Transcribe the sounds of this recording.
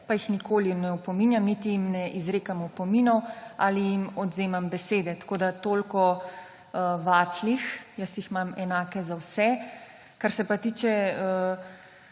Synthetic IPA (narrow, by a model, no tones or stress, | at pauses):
pajixnikʰoːlinɛwpɔmiːnjamnit̪ijimnɛʔizɾeːkamɔpɔminɔwa̰ːlijimɔd̪zeːmambɛseːd̪ɛt̪ḁkoːd̪at̪oːlkɔ | əʋaːt̪lixjəsjixmamɛnaːkɛzawsɛ | kaɾsɛpat̪iːt͡ʃɛə